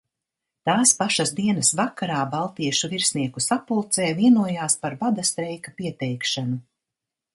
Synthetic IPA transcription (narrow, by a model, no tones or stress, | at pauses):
t̪aːspaʃazd̪iɛnɐsvakaɾaːbalˠt̪iɛʃuviɾsniɛkusapulˠt̪sɛːviɛnuɔjaːspaɾbad̪ast̪ɾɛjkapiɛt̪ɛjkʃanu